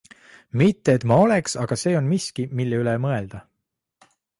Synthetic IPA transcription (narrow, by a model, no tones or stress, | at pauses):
mit̪ːeːt̪mɑo̞le̞ksɑɡ̥ɑse̞ːo̞nmiskimilːeylemɤe̞ld̪̥ɑ